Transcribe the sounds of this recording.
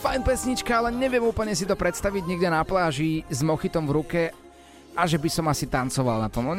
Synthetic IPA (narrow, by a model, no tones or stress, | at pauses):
fajnpɛsɲit͡ʃkaalɛɲɛʋɪɛmuːpl̩ɲɛs̬it̪ɔpɾɛt̪st̪aʋiɟɲɛɡdɛnaplaːʒizmɔxit̪ɔmvɾukɛ | aʒɛbisɔmasit̪ant͡sɔʋalna̰t̪ɔmɔɲ